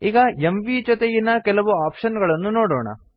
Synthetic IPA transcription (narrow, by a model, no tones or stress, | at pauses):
iːɡɐemʋid͡ʒot̪ejinːɐkɛlɐʋuaːpʂɐnɡɐɭɐnːunoːɽoːɳɐ̰